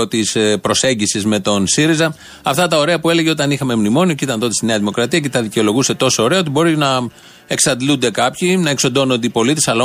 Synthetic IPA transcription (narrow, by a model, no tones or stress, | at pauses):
ot̪ispɾose̞ɲɟisizme̞t̪o̞nsiɾizɐ | ɐft̪ɐt̪ɐo̞ɾe̞ɐpue̞leʝeo̞t̪ɐnixɐme̞mnimo̞nioceit̪ɐnðo̞t̪st̪ine̞ɐðimo̞kɾɐt̪iɐce̞t̪ɐðiceo̞lo̞ɣuse̞t̪o̞so̞ːɾe̞ɐot̪ibo̞ɾinɐ | e̞ksɐd̪lund̪e̞kɐpçinɐe̞kso̞nd̪o̞nnd̪eipo̞lit̪e̞sɐlɐ